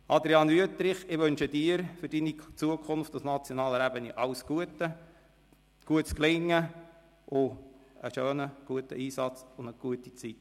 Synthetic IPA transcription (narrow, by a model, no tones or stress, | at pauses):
ɑd̪ɾiɑnyət̪ɾɪχɪʋønʃədɪːəɾfʏɾdinit͡suəkʰʊnftasnɑt͡sjɔnɑːləɾæbəniʔɑwsɡ̥uətə | ɡ̥uətsklɪŋːə | ʔʊəʃøːnəɡ̥uətə̰iːsɑt͡sʊndəɡ̥uətit͡sit